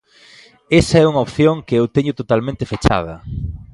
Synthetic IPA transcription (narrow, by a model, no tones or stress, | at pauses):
esɐɛuŋɐopθjoŋkeewt̪eɲʊt̪ot̪almẽnt̪ɪfet͡ʃa̰ð̞ɐ̰